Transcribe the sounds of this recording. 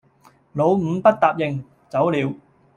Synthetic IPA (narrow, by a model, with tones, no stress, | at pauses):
lo˨˧wm̩˨˧˥pɐ˥t̚t̪aː˨p̚jɪ˨˩ŋ | t͡sɐ˨˥wliː˨˧w